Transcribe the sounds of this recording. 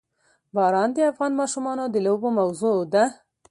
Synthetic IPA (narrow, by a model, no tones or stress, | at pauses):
bɑɾɑnd̪əafɣɑnmɑʃumɑnod̪əlobomawzod̪a